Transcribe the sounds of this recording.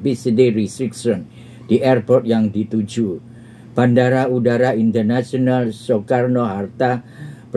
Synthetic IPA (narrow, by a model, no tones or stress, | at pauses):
bisideɾisɾiksɔn | d̥iʔɛrpɔrt̪̚jaŋdit̪ud͡ʒu | b̥andaɾaudaɾaint̪ərnasiɔnalsokarnoɦart̪ap